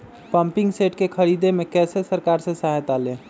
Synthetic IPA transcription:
pəmpiŋɡseʈkekʰəɾid̪emekɛsesəɾkaɾsẽsaɦɛt̪alẽ

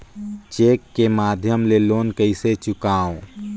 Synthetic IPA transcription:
t͡ʃeːkːemaːd̪ʱjəmleloːnkəɪset͡ʃʊkaːõ

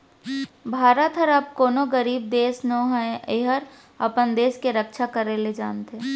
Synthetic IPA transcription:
bʱaːɾət̪ɦəɾaːp̚koːnoɡəɾiːb̚d̪eːsnoɦɛ̃eɦəɾ | ɐpənd̪eːskeɾəkʃʰakəɾeled͡ʒa̰ːnt̪ɦeɛ

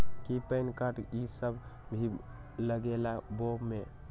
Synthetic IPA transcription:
kipəɪnkaʈisəbbʱi | ləɡelabome

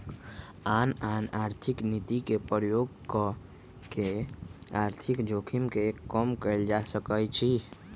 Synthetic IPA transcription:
ananaɾt̪ʰiknit̪ikepɾjoɡ | kɔ | keaɾt̪ʰikd͡ʒokʰimkekəmkəɪld͡ʒasəkət͡ʃʰi

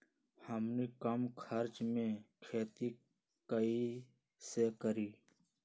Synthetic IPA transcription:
həmnikəmkʰəɾt͡ʃmẽkʰeːt̪i | kəi | sekəɾiː

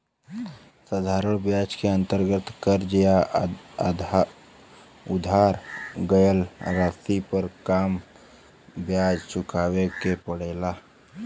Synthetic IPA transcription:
sad̪ʱaːɾəɽ̃bjaːd͡ʒkeə̃nt̪əɾɡət̪kəɾd͡ʒəja | ʊd̪ʱaːɾɡəjəlɾaːst̪ipəɾkaːm | bjaːd͡ʒt͡ʃʊkaːwekepəɽ̤eːlaː

